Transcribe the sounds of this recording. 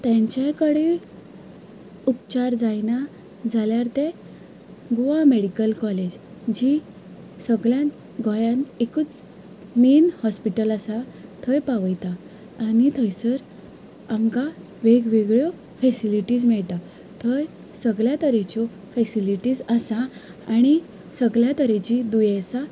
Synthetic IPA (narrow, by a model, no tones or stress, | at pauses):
t̪ɛ̃ɲt͡ɕakəɽe | upt͡ɕaɾd͡zajna | d͡zʱaljaɾt̪e | ɡoameɽikəlkɔled͡ʑ | d͡ʑi | səɡɭjãn | ɡʱɔjãnekuːt͡s | miːnhɔspiʈəlasat̪ʰəjpaʋəjt̪aː | ñit̪ʰəjsəɾ | amka | ʋeɡʋeɡɭjɔ | fɛsiliʈiːd͡zmɛɭt̪a | t̪ʰəj | səɡɭjat̪əɾẽt͡ɕɔ | fɛsiliʈiːd͡zəsã | aɽ̃i | səɡɭjat̪əɾẽt͡ɕid̪ujesa